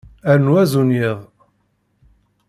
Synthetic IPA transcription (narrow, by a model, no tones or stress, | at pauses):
æɾnwæzunjiðˤ